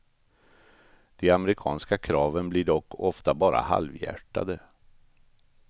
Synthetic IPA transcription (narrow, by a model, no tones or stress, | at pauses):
d̪̥ɛamɛɾɪkʰɑ̰ːnskakʰɾɑːvənblɪɖɔkːɔft̪abɑːɾa̰ha̰lvjæ̰ʈːa̰d̪ə